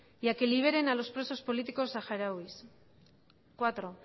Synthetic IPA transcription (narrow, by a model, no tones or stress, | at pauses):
ʝakeliβ̞e̞ɾenalo̞spɾe̞so̞spo̞lit̪iko̞saxaɾawis | kwat̪ɾo̞